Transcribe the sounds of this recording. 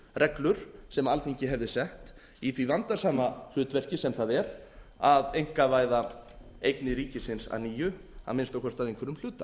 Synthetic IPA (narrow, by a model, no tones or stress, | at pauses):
rʔɛklʏɾ̥sɛmalθiŋcɪɦɛvðɪsɛht̪ | iθvivant̪asaːmah̪ʏːt̪vɛr̥cɪsɛmθaðɛɾ | aðejŋ̥kavaːjða | ejknɪɾiːcɪsɪnsa̰ðniːjʏ | a̰ðmɪnst̪ɔwkʰɔst̪aðejŋkʰvɪɾʏml̥ʏːt̪a̰